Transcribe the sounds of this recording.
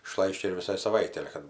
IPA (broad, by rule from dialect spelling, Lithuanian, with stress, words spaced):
ɪˈʃlˠɐɪʃʲt͡ʃʲɛ ɪr ʋʲɪˈsɐɪ sɐˈʋɐɪtʲɛɪ ˈɑːlʲɛ kɐt